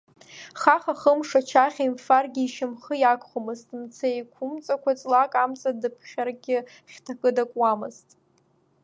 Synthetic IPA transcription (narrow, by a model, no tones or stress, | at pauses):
χaχaχəmʂat͡ʃʰaχʲaimfarɡʲɪːʃɪmχəjakʷʰχomɨztʼmt͡sʰaekʷʰʊmt͡sʼakʷʰat͡sʼlakʼamt͡sʼadɨpʰχʲarɡʲɪ | χʲtʰakʼɨdakʷʼwamɨztʼ